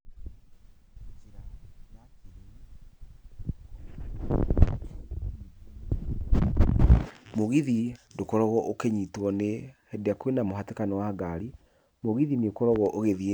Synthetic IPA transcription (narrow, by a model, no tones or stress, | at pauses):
iɾaa | moɣiðindokɔɾɔɣɔʔokɛɲitwɔnehɛdeakwenamoɦatekanɔwaːɡaɾi | moɣiðinekɔɾɔɣɔʔoɣeðie